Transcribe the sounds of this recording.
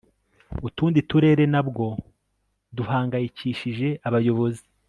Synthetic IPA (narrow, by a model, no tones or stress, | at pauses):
utuːndituɾe̞ːɾe̞nabɡo̞ | duɦaːŋɡajiciːʃiʒe̞aβajo̞βo̞zi